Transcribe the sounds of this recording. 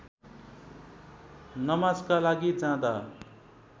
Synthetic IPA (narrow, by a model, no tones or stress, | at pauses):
nʌmad͡zkalaɡid͡zãd̪a